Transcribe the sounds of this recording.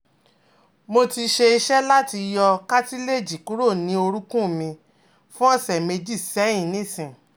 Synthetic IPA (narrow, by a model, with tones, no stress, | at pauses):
mo˧ti˧ʃe˧i˧ʃɛ˦la˦ti˧jɔ˧ka˦ti˦le˦˨d͡ʒi˨ku˨˦ɾo˦˨nĩ˨˦o˧ɾu˦kũ˦mĩ˧ | fũ˦ɔ̃˦˨sɛ˨me˧d͡ʒi˦˨sɛ˨˦ĩ˦˨nĩ˦˨sĩ˨